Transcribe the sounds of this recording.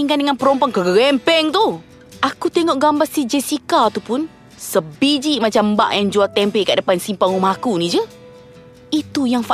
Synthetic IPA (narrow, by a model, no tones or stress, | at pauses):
iŋkandəŋanpəɾɔmpɔŋkəɡəɣɛmpɛŋt̪u | ʔakut̪eŋɔʔɡambasid͡ʒɛsikat̪upʊn | səbid͡ʒiʔmat͡ʃamba̰ʔjaŋd͡ʒuat̪ɛmpɛka̰ʔdəpansimpaŋɔmaɦakunid͡ʒə | it̪ujaŋfa